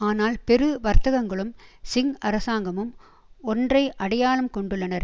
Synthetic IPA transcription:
aːnaːlpɛɾɯʋɐɾt̪ɐɣɐŋɡɐɭɯmsɪŋɡʔɐɾɐsaːŋɡɐmɯm | ɔndrɐɪʔɐɽɐjaːlɯmkɔɳɖɯɭːɐnɐɾ

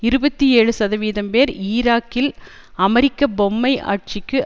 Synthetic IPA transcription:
ɪɾɯbɐt̪ːieːɻɯsɐðɐʋiːðɐmpeːɾiːɾaːkːɪl | ɐmɐɾɪkːɐbɔmːɐɪʔa̰ːʈ̚t͡ʃɪkːɯ

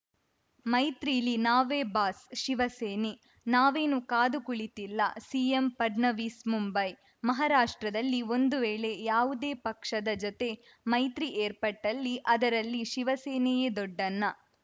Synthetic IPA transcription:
mɐjt̪ɾilinaːʋeːbaːsʃiʋɐseːne | naːʋeːnukaːd̪ukuɭit̪ilːɐ̰siːempɐɖnɐʋiːsmumbɐj | mɐɦaɾaːʂʈɾɐd̪ɐlːio̞nd̪uʋeːɭe̞jaːʋud̪e̞ːpɐkʂɐd̪ɐd͡ʒɔt̪e̞ | mɐjt̪ɾiʔeːɾpɐʈːɐlːiʔɐd̪ɐɾɐlːiʃiʋɐseːnɛjed̪ɔɖːɐnːɐ

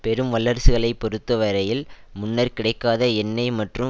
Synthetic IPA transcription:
pɛɾɯmʋɐɭːɐɾsɯɣɐɭɐɪpːɔɾɯt̪ːɐʋɐɾɐjɪlmʊnːɐɾkɪɽɐɪkːaːðɐɛnːɐɪmɐʈrɯ

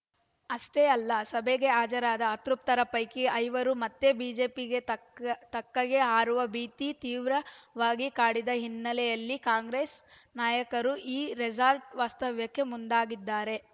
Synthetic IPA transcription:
ɐʂʈeɐlːɐsɐbʱeɡe̞aːd͡ʒɐɾaːd̪ɐːt̪ɾup̚t̪ɐɾɐpɐjkiʔɐjʋɐɾumɐt̪ːe̞biːd͡ʒe̞ːpiɡe | t̪ɐkːɐɡe̞ɦaːɾuʋɐbiːt̪it̪iːʋɾɐʋaːɡikaːɽid̪ɐɦinːɐlɛjɐlːikaːŋɡɾeːsnaːjɐkɐɾuʔiːɾed͡ʒaːɾʈʋaːst̪ɐʋjɐkːe̞mund̪aːɡid̪ːaːɾe̞

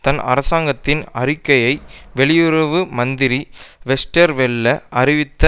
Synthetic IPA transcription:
t̪ɐnɐ̰ɾɐsaːŋɡɐt̪ːɪnɐrɪkːɐjɐɪʋɛɭɪjɯɾɐʋɯmɐnd̪ɪɾiʋɛsʈɐɾʋɛɭːɐʔɐɾɪʋɪt̪ːɐ

